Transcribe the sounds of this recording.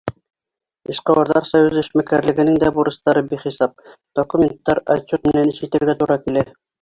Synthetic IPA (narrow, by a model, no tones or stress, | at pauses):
iʃqɑwɑɾðɑɾsɑjuzɘ̆ʃmækæɾlɘ̆ɡɘ̆nɘŋd̪æbuɾɤ̆st̪ɑɾɤbiχisɑp̚ | d̪̥okumʲent̪ːɑɾɑ̰t̪ːut̪̚mɘ̆nænɘʃɘt̪ɘ̆ɾɡæt̪uɾɑkilæ